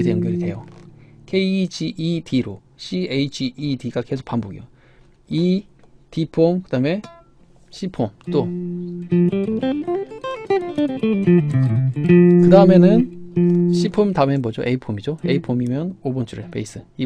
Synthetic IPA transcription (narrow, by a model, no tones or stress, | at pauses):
ideɯnɡʌɾite̞̰jokʰe̞id͡ʑʰiʔitʰiɾo | ɕʰieid͡ʑʰiʔːdiɡake̞sʰok̚pamboɡḭjo | itipʰomkɯdame̞ | ɕʰipʰomt͈o | kɯdaɯme̞nɯn | ɕʰipʰomtamenmʌd͡ʑoʔeipʰomid͡ʑoeipʰomimjʌnobʌnt͡ɕ͈ʰuɾḛpe̞̰is͈ɯi